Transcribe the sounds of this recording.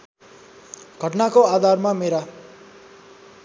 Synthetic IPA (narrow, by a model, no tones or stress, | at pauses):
ɡʱʌʈnakoad̪ʱarmameɾa